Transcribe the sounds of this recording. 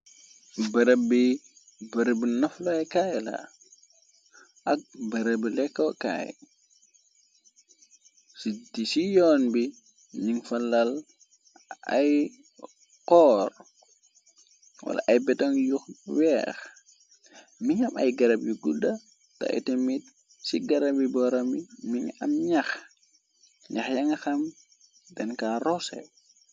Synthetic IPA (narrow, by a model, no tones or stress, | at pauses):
bɐɾəbi | bɐɾəbinɐflɔjkaːjla̰ | ʔak̚bɐɾəbilɛkːɔwka̰j̰ | sitisijɔːnbi | ɲiŋfɐlal | a̰j | kɔːr | wɐ̰la̰ʔɐjbɛtɔŋjuxwɛːx | miɲɐmɐjɡɐɾɐb̚jiɡudɐ | tɐ̰ʔḭtɛmit̚ | siɡɐɾɐbibɔɾɐmimiŋɐ̰mɲɐx | ɲaxjɐŋɐxɐm | dɛnkaːɾɔsɛ̰